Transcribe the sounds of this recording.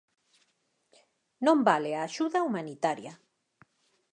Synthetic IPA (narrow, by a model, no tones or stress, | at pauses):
nõmbaleaːʃuðaumanit̪aɾja